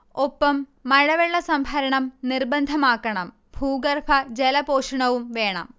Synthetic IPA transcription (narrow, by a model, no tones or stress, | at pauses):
opːɐmːɐɻɐʋeɭːɐsɐmbʱɐɾɐɳɐmnirbɐnd̪ʱɐmaːkːɐɳɐm | bʱuːɡɐrpʰɐd͡ʑelɐpoːʂɐɳɐʋumʋe̞ːɳɐ̰m